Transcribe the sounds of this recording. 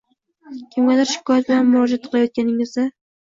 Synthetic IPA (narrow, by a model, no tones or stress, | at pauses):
kʲʰɪmɡʲalaɾʃɪ̥kʰɒjat̪̚bɪlanmʊɾɒd͡ʒat̪̚qʰɨlˠajɒt̪̚kʲanɪŋɪzd̪a